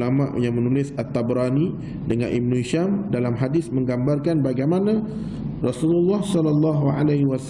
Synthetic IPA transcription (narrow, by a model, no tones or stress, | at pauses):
ama̰ʔjaŋmə̃nulɪsat̪ːabɾani | dəŋa̰nʔib̚nuiʃamdalamɦadɪsmə̃ŋɡambarkanbaɡajmana | rɔsululːɑhsɔlalːɑɦua̰lahwas